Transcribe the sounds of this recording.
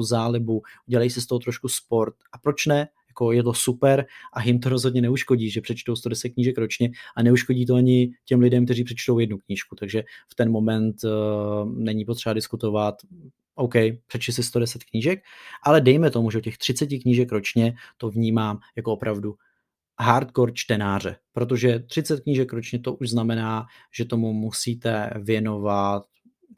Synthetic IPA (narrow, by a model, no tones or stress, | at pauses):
uzaːlɪbuʔuɟɛlajisɪst̪o̞ɦot̪ɾoʃkuspo̞ɾt̪̚ʔapɾo̞t͡ʃnɛjako̞jɛt̪̬o̞supɛɾʔajɪmt̪oɾo̞zɦo̞dɲɛnɛuʃko̞ɟiːʒɛpr̥ɛt͡ʃt̪owst̪o̞dɛsɛt̪̚kɲiːʒɛkɾo̞t͡ʃɲɛʔanɛuʃko̞ɟiːt̪oaɲɪcɛmlɪdɛmkt̪ɛriːpr̥ɛt͡ʃt̪o̞wjɛdnukɲiːʃkut̪aɡʒɛft̪ɛnmo̞mɛnt̪ | nɛɲɪpo̞t̪r̥ɛbadɪskut̪o̞vat̪ | ʔo̞wkɛjpr̥ɛt͡ʃt̪ɪs̬ɪst̪o̞dɛsɛt̪kɲiʒɛkʔalɛdɛjmɛt̪o̞muʒɛocɛxt̪r̥ɪt͡sɛcɪkɲiʒɛkɾo̞t͡ʃɲɛt̪o̞vɲiːmaːmjakoopɾʔavdu | ɦaːɾt̪koɾt͡ʃt̪ɛnaːr̝ɛ̰pɾo̞t̪̬o̞ʒɛt̪r̝̥ɪt͡sɛt̪̚kɲiːʒɛkɾo̞t͡ʃɲɛt̪o̞ʔuʒznamɛnaː | ʒɛt̪o̞mumusiːt̪ɛvjɛno̞vat̪